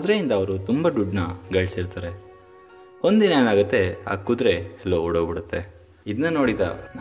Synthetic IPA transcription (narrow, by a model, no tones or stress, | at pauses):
d̪ɾeind̪ɐːʋɐɾut̪umbɐɖ̪uɖnɐɡɐɭsiɾt̪aːɾe̞ | ond̪inɐeːnaːɡɐt̪ːe̞a̰ːkːud̪ɾe̞ɛlːooɽobiɽut̪ːe̞ | id̪ɐnɐno̞ːɽid̪a̰